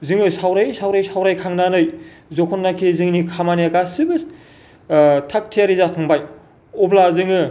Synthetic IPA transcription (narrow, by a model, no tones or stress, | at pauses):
zɯŋɯsawɾajsawɾajsawɾajkʰaŋnanɯjzɔkʰɔnːakʰizɯŋnikʰamaniakasibɯ | tʰak̚tʰijaɾizatʰɯŋbaj | ɔblazɯŋɯ